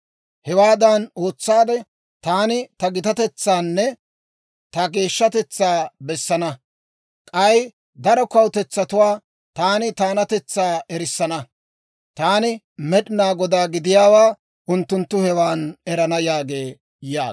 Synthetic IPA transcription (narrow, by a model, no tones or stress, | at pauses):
hɛwaːd̪ɐno̞ːt͡sːaːd̪ɛ | t̪aːnɪt̪ɐɡɪt̪ɐt̪ɛt͡sːaːnːɛ | t̪ɐɡe̞ːʃːɐt̪ɛt͡sːaːbɛsːɐnɐ | kʼɐj | d̪ɐɾɔkɐwt̪ɛt͡sːɐt̪ʊwaː | t̪aːnɪt̪aːnɐt̪ɛt͡sːaːʔɛɾɪsːɐnɐ | t̪aːnɪ | mɛɗɪnaːɡɔd̪aːɡɪd̪ɪjaːwaː | ʔʊnt̪ːʊnt̪ːʊhɛwaːnɛɾɐnɐjaːɡeː | jaːɡ